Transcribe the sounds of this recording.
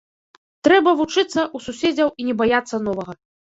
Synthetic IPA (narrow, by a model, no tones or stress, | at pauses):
t̪ɾɛbɐvut͡ʂɨt̪sːɐʔususʲed͡zʲɐwinʲɛbajat̪sːɐnɔvɐɣɐ